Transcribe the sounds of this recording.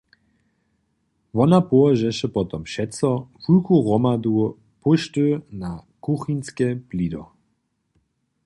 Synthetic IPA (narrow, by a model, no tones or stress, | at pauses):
vɔnapɔɔʒɛʃɛpɔt̪ɔmʃɛtt͡sɔfukuɣɔmad̪u | puʃtønakuxinskɛplid̪ɔ